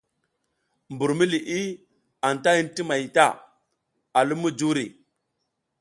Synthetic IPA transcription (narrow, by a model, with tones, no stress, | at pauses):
mbu˨ɾmi˦li˨ʔi˦ | a˨n˨ta˦i˦nti˦ma˨jta˦˨ | a˨lu˦mːu˦d͡ʒu˦ɾḭ˨